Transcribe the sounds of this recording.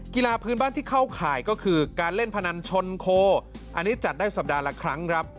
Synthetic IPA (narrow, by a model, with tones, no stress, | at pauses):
ki˧laː˧pʰɯː˦˥nbaː˥˩nt̪ʰiː˥˩kʰa˥˩wkʰaː˨˩˦jkɔː˥˩kʰɯː˧kaː˧nle˥˩npʰa˧na˧nt͡ɕʰo˧nkʰoː˧ | ʔa˧nːiː˦˥t͡ɕa˨˩t̪̚daː˥˩jsa˨˩p̚daː˧la˦˧˥kʰɾa˦˥ŋkʰɾa˦˥p̚